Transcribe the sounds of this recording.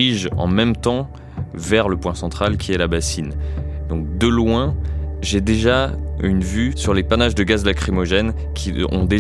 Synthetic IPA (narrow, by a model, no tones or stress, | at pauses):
iʒɑ̰̃mɛmt̪ɑ̃ | vɛʁləpwɛ̃sɑ̃t̪χalkʲʰiɛlabasind̪ɔ̃k̚d̪əlwɛ̃ʒed̪eʒaynvysyʁlepanaʒd̪əɡazlakχimɔʒɛn | kʲʰiɔ̰̃d̪e